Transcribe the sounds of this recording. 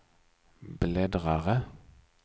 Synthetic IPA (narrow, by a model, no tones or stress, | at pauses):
bleːd̪ʁɑʁə